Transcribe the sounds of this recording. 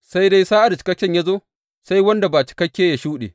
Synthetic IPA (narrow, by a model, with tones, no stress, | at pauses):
sa˦jda˦jsaː˦ʔa˨da˨t͡ʃɪ̥˦kɐ˦kʲːɛ˦ɲja˦zoː˦ | sa˦jwɐ˦nda˨baː˨t͡ʃi̥˨kɐ˦kʲːeː˦ja˨ʃuː˦ɗḛ˨